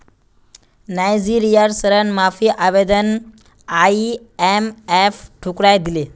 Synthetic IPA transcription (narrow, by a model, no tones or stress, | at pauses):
najd͡ziɾijaɾsəɾənmafiʔabed̪ən | ai | ɛmɛfʈʰukɽajd̪ile